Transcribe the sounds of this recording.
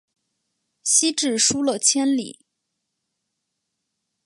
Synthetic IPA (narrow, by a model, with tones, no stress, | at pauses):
ɕi˥ʈ͡ʂɻ̩˥˩ʂu˥lə˨t͡ɕʰjɛ˥nlḭ˨˩˦